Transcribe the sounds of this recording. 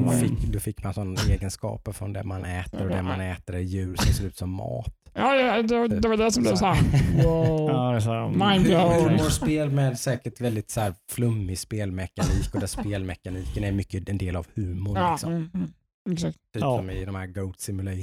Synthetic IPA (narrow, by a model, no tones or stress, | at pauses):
d̪ɔfɪkːd̪ɔfɪkːmansɔnːaeːɡənskɑ̰ːpəɾfɾɔnd̪ɛ̰manɛːt̪əɾɔd̪ɛmanɛːt̪əɾæjʉ̟ːɾssɪːɾʉ̟ːt̪sɔmːɑ̰ːt̪ɑːd̪ɛd̪ɛvad̪ɛsɔmblɛːvsæ | maɪnhʉːmʊspeːlmɛd̪sɛːkəɾʈvɛld̪ɪt̪sɔhæːɾflɵmːɪspeːlmɛkaniːkɔd̪ɛspeːlmɛkːaniːkənɛɾmʏkːəɛnd̪eːla̰vhʉ̟ːmʊɾlɪksɔm | ɛksakt̪t̪ʰyːpsɔmɪd̪ɔmhæːɾɡoʊt̪sɪmʉla